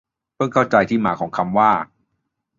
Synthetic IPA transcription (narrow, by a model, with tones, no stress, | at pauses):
pʰɤ˥˩ŋkʰa˥˩wt͡ɕa˧jt̪ʰiː˥˩maː˩˦kʰɔː˩˦ŋkʰa˧mwaː˥˩